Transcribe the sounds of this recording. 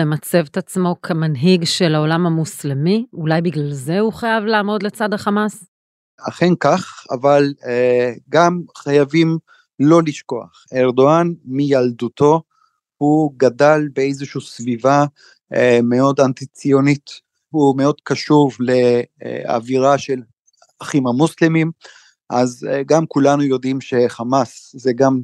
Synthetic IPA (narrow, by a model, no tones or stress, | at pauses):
emat͡se̞vetat͡smo̞kʰemanɦiɡʃelao̞lamamuslemiulajbiɡlalze̞uχajavlaːmo̞dle̞t͡sadaχamas | aχenkaχa̰val | ɡamχajavim | lo̞liʃko̞a̰χeʁdoanmijald̪utʰo̞ | huɡadalbeejzeʃuusviva | me̞o̞dant̪it͡sio̞nit̪ | hume̞o̞d̥kaʃuvle̞̰a̰viʁaʃe̞l | aχimamuslimim | ʔazɡamkulanujo̞dimʃe̞χamaszeɡam